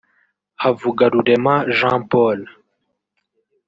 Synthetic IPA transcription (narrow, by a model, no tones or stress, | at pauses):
hɐvuɡɐɾuɖemaʒãːpoːl